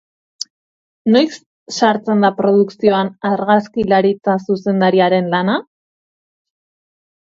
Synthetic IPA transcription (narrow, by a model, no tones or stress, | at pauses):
no̞js | ʃaɾt͡se̞nd̪apɾo̞ðuksio̞anaɾɣaskilaɾit͡sasuse̞nd̪aɾiaɾe̞nlana